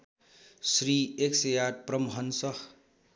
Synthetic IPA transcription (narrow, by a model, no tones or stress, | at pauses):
sɾiːeksejad̪̚pɾʌmɦʌnsʌh